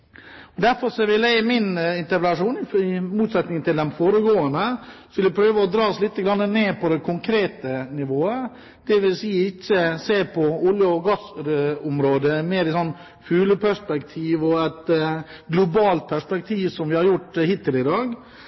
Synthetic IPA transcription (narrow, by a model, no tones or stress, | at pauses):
ɔd̪æɾfɔɾʂɔʋɪlæmɪnɪnt̪əɾpəlɑʂuːnɪɪmuːt̪sɛt̪nɪŋənt̪ɪld̪ɛnfoːɾəɡoːənd̪əsɔʋɪlɪpʰɾøːʋəɔd̪ɾɑːɔslɪt̪ːəɡɾɑnːəneːpʰɔd̪ɛkʰʊŋkʰɾeːt̪ənɪʋoːə | d̪̥ɛʋɪlsiːəɪçːəseːɾpʰɔʊljəɔɡɑsɾʊmɾoːd̪əmeːɾɪsɔnː | fʉːləpʰæʂpɛkt̪ʰiːʋɔæɪt̪ | ɡlʊbɑːlt̪̚pʰæʂpɛk̚t̪ʰiːʋsɔmʋɪhɑɾjʊʈːhɪt̪ːɪlɪd̪ɑːɡ